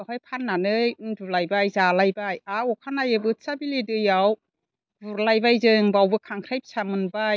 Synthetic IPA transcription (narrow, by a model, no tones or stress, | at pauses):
ahajpʰanːanɯjɯndulajbajzalajbajaukʰanajɯbɯsabilidɯjaw | buɾlajbajzɯŋbawbɯkʰaŋkʰɾajp̚samɯnba